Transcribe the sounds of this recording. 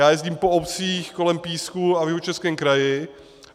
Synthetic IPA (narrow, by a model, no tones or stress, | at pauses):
jaːjɛzɟiːmpoopt͡siːxko̞lɛmpiːskuavjɛɦot͡ʃɛskɛːmkɾajɪ